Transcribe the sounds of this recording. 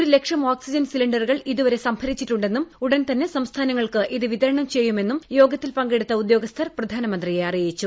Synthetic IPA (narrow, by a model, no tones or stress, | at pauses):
oɾule̞kʂɐmoːksid͡ʑɐnsiliɳɖɐrɣɐɭiðuʋɐɾe̞sɐmpʰɐɾit͡ɕːiʈːuɳɖe̞nːumuɽɐnt̪ɐnːe̞sɐmst̪ʰaːnɐŋːɐɭkɨʔiðɨʋit̪ɐɾɐɳɐmt͡ɕe̞jːume̞nːumjo̞ːɡɐt̪ːilpɐŋɡe̞ɽut̪ːɐud̪jo̞ːɡɐst̪ʰɐrprɐd̪ʱaːnɐmɐnd̪rijeɐrijjit͡ɕːu